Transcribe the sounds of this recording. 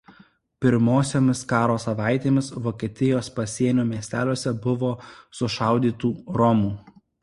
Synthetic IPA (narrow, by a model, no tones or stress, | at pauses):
pʲɪɾmoːsʲoːmʲɪskɑːɾoːsɐʋɑˑɪt̪ʲeːmʲɪsʋoːkʲiɛt̪ʲɪjoːspɐsʲiɛnʲuːmʲiɛsʲt̪ʲæːlʲuɔsʲɛbʊʋoːsʊʃɑˑʊd̪ʲiːt̪uːɾɔmuː